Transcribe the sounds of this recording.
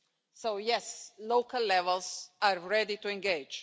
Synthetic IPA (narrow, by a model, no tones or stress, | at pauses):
soʊjɛsloʊkəlːɛvəlˠzaɹɹɛdituɛ̃nɡeɪd͡ʒ